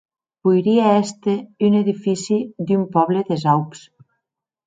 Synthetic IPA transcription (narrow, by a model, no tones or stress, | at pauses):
bujɾiaɛst̪eyneðifisid̪ympɔβleðezawps